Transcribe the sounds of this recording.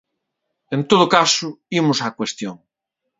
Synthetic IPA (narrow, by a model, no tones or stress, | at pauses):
ẽnt̪oðʊkasʊimʊsakwest̪joŋ